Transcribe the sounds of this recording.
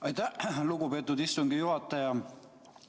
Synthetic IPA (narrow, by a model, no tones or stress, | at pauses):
ɑjt̪æhluɡ̥upe̞t̪ːˑud̪ist̪uŋɡ̥ijuɦɑt̪ˑːɑjɑ